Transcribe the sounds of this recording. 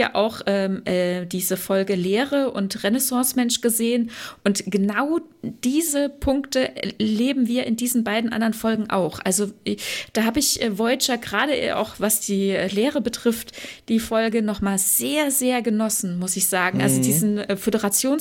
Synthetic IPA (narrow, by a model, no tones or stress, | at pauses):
ja̰ʔa̰ʊxʔɛːmʔɛːdiːzəfɔlɡəleːʁəʔʊ̰ntʁɛnɛsɑ̃ːsmɛnʃɡ̥əzeːənʔʊntɡ̥ənaʊ | d̥iːzəpʰʊŋktəleːbm̩viːɐʔɪndiːzn̩baɪdn̩ʔa̰ndɐʁənfɔlɡŋ̩ʔa̰ʊxʔalzod̥aːɦaːbɪçʔɛːvɔʏt͡ʃaɡʁaːɾəʔa̰ʊxvasd̥iːɛːleːʁəbətʁ̥ɪftd̥iːfɔlɡənɔχmaːlz̥eːɐzeːɐɡənɔsn̩mʊsɪçz̥aːɡŋ̩ʔa̰lzodiːzn̩ɛːfødəʁat͡sjoːn